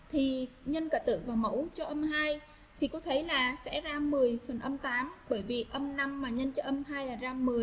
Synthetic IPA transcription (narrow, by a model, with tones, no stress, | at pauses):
t̪ʰi˨˩ɲə˧nkəː˧˩t̪ɨ̰˧˨vaː˨˩wmə̰˧˥wt͡ɕɔ˧ʔə˧mhaː˧j | t̪ʰi˨˩kɔ˨˦t̪ʰə˨˦jlaː˨˩sɛ̰˧˥zaː˧mɨ˨˩əjfə˨˩nʔə˧mt̪aː˨˦mɓəː˧˩jvi˨˩ʔə˧mna˧mːaː˨˩ɲə˧nt͡ɕɔ˧ʔə˧mhaː˧jlaː˨˩zaː˧mɨ˨˩əj